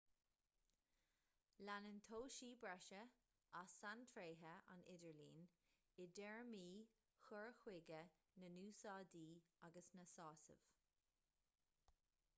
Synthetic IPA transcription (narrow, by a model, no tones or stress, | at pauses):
lanənt̪ʰoːʃiːbɹɛʃə | asantʰɹeːɦəa̰nɪdəɹlḭːn | ɪd̪ɛɹmiː | xʊɹxwɪɡə | nənuːsɑːd̪iːaɡəsnəsɑːsə̰v̥